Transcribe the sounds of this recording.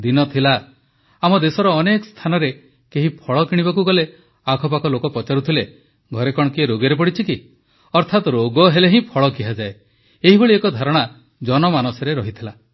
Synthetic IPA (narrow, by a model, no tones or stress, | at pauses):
d̪inɔt̪ʰila | amɔd̪esɔɾɔːnekɔst̪ʰanɔɾe | keɦipʰɔɭɔkiɽ̃ibakuɡɔle | akʰɔpakɔlokɔpɔt͡ʃaɾut̪ʰile | ɡʱɔɾekɔɽ̃ɔkieɾoɡeɾep̬ɔɽit͡ʃʰiki | ɔɾt̪ʰat̪ɔɾoɡɔɦeleɦĩpʰɔɭɔkiɦad͡ʒae | eɦiboɭiekɔd̪ʱaɾɔɽ̃a | d͡ʒɔnɔmanɔsɔɾeɾɔɦit̪ʰila